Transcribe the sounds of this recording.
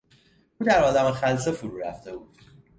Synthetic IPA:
uːd̪æɾɒːd̪æmexæls̬efuɾuːɾæ̰ft̪e̞bud̪̥

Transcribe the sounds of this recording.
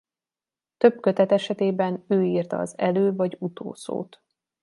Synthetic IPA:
t̪ø̞bkøt̪ɛt̪ɛʃɛt̪eːbɛnøːiːrt̪ɒ̰ɒ̰zɛløːvɒɟut̪ʰo̰ːso̰ːt̪

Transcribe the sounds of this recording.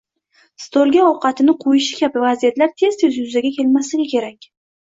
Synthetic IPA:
st̪ʰolˠɡʲaɒwqɑt̪ʰɪnɪqʰojɪʃɪ̥kʲʰabɪvazijat̪laɾt̪ʰe̞z̥t̪ʰezjʊzaɡʲakʲʰe̞lmaslɪɡʲɪkʲʰe̞ɾakʲ

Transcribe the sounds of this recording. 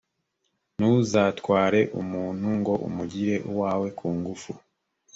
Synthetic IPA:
nuzatkwaːɾe̞ʔṵmuːn̥huŋɡo̞ʔṵmuɟiɾe̞ʔuwaːwe̞kʰuːŋɡufu

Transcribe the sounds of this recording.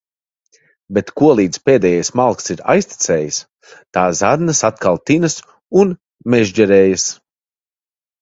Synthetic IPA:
bet̪kuɔlˠiːd̪zpeːd̪ɛːjajsmalˠksiɾa̰jsʲt̪i̥t̪sʲɛːjəs | t̪aːzad̪nasat̪kalˠt̪inɨs | un | mɛʒd͡ʒɛɾɛːjas

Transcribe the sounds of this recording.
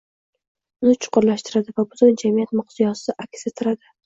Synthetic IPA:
ʊnɪt͡ʃʰʊ̥qʊɾlaʃt̪ɪɾad̪ɪvabʊzʰʊnd͡ʒamijat̪mʊqzijɒsɪd̪aʔakʲset̪ʰɪɾad̪ɪ

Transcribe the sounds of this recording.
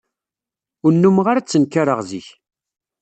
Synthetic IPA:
ʊnːumʁaɾat͡sːənkaɾəʁziç

